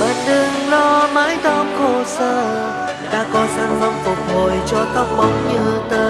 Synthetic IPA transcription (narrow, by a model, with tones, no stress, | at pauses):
ɓaː˨˩nɗɨ˧˩ŋlɔ˧ma̰ː˧˥jt̪ɔ˧mko˧˩səː˧˩ | ɗa̰ː˧˥kɔ˨˦saː˧ŋm˧˩wŋ͡mfʊ˨˩ək̚ho˨˩jt͡ɕɔ˧t̪ə˦˥wk͡p̚mɔ˨˦wŋ͡mɲɨ˧ht̪əː˧